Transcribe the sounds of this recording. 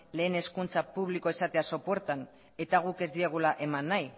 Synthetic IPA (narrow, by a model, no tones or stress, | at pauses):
le̞ːne̞skunt͡sapuβliko̞esat̪e̞aso̞poeɾt̪an | e̞t̪aɣ̞uke̞zd̪ie̞ɣ̞ulaʔe̞manːaj